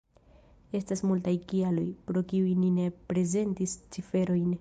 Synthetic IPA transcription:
e̞stasmultajkialo̞jpɾokiujnine̞pɾe̞ze̞ntist͡sife̞ɾo̞jn

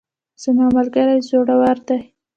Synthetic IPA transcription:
z̥əmɑmalɡaɾajzoɽawaɾd̪aj

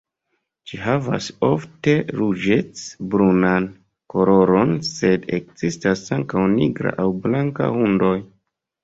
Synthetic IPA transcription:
d͡ʒiɦava̰so̞fte̞ɾud͡ʒe̞t͡sbɾunan | ko̞lo̞ɾo̞nse̞dekzistasaŋkawniɡɾa̰ʔawblaŋka̰hundo̞j

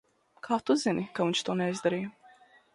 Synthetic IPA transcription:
kʰaːt̪uzinikavint͡ʃt̪uɔnɛizd̪aɾijɐ

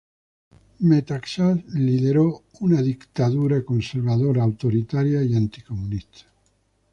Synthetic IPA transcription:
met̪aksasliðeɾo | unaðikt̪aðuɾakonseɾβaðoɾaːwt̪oɾit̪aɾjaiant̪i̥komunist̪ʰḁ

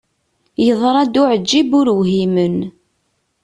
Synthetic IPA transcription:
jəðˤɾˤæd̪ʊʕəd͡ʒːibʊɾwɦimən

